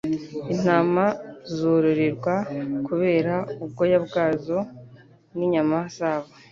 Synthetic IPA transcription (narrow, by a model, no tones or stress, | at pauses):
in̥aːmazuɾuɾiɾɡwakuβe̞ːɾaub̚ɡo̞jabɡaːzo̞ | niɲamasaːβa